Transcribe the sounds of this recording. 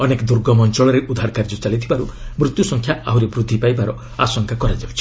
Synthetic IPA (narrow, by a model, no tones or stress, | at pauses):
ɔnekɔd̪uɾɡɔmɔnt͡ʃɔɭɔɾeʔud̪ʱaɾkaɾd͡ʒɔt͡ʃalit̪ʰibaɾumɾut̪jusɔŋkʰjaa̰ɦuɾebɾud̪ʱːipajbaɾɔ | a̰sɔŋkakɔɾad͡ʒawt͡ʃʰi̥